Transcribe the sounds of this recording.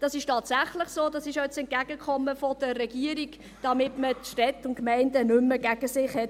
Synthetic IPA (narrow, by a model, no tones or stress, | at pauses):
d̥ɑsɪʃtɑːtsæχləχsoːdɑsɪʃjɛt͡sɛnt̚ɡ̥æɡəkʰχɔmːəfɔd̥ərɛɡ̥iəɾiɡ | d̥ɑmɪtmətʃtɛtʊntkmɛɪndənʏmːəɡ̥æɡ̥əsɪχhɛt